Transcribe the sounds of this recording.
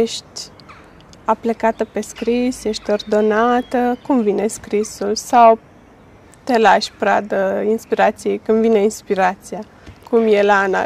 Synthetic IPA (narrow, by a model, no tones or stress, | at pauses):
jeʃt̪ʲ | aplekat̪əpe̞skɾisje̞ʃt̪ʲo̞rd̪o̞nat̪əkumvine̞skɾisulsaw | t̪e̞laʃʲpɾa̰d̪əinspiɾat̪sijejkɨmvine̞inspiɾat̪sia | kʰumje̞lana̰